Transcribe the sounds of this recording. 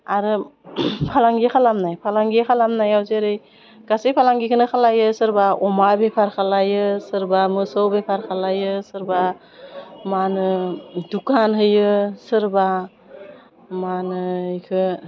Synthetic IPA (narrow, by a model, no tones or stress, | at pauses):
aɾɯ | pʰalaŋɡikʰalamnajpʰalaŋɡijkʰalamnajawzeɾɯj | ɡ̥asijpʰalaŋɡikʰɯnɯkʰalajɯsɯɾbaʔɔmabepʰaɾkʰalajɯsɯɾbamɯsɯwbepʰaɾkʰalajɯsɯɾba | manɯdukʰanɦɯjɯsɯɾba | manɯikʰɯ